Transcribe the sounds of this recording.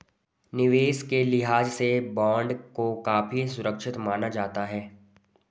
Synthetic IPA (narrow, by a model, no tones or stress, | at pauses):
nɪʋeːskelɪɦaːd͡ʒsebɔ̃ːɳɖkokaːpisʊɾəkʃɪt̪maːnad͡ʒaːt̪aɦɛː